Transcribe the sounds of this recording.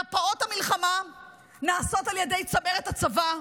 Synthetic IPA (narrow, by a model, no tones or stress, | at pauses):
apao̞tamilχama | naːso̞taljede̞jt͡sabeʁetat͡sava